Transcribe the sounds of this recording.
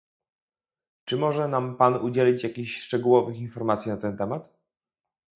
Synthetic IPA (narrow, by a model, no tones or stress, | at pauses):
t͡ʂɘmɔʐɛnampanud͡ʑelʲit͡ɕjakʲiɕʂt͡ʂɛɡuwɔvɘxinfɔɾmat̪sʲjinat̪ɛnt̪ɛmat̪